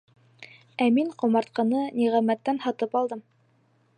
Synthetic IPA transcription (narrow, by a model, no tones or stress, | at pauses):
æmiɴqŏmɑɾt̪̚qɑnɤniʁæmæt̪ːænhɑt̪ɤpɑlˠd̪ɤm